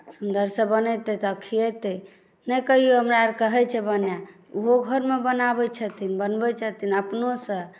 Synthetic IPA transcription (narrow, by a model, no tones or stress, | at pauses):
sund̪əɾsə̃bənɛt̪ɛt̪əkʰijɛt̪ɛ | nɛkəɦijoɦəmɾaɾkəɦɛt͡ʃʰɛbənja | uɦoɡʱəɾmebənabɛt͡ʃʰət̪ʰinbənbɛt͡ʃʰət̪inəpnosə̃